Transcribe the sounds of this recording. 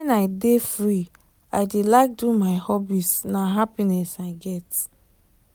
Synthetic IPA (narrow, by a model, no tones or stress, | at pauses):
ɛnaɪdefɹi | ajdelaɪk̚dumaɪhɔbisnaɦapinɛsaɪɡɛt